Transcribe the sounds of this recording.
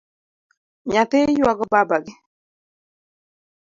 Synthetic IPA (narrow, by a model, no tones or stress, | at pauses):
ɲat̪ejwaɡɔbabaɡɪ